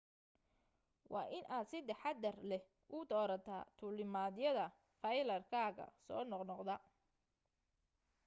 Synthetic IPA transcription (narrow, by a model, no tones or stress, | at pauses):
wʔɑːʔɪnʔaːd̪sɪd̪ɛħɑd̪ɐrlɛh | ʔʊd̪ɔːɾɐt̪ʰa̰ːt̪ʰʊlɪmaːðjɐðɐ | fɐjlɐrkʰaːɣɐ̰sɔ̰ːnɔqnɔqd̪ɐ